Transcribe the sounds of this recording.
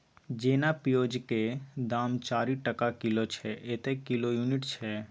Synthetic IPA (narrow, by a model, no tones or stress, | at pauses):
d͡ʒeːnapijoːd͡ʒked̪aːmt͡ʃaːɾiʈəkakɪlot͡ʃʰɛʔeːt̪ekɪlojuːnɪʈt͡ʃʰɛː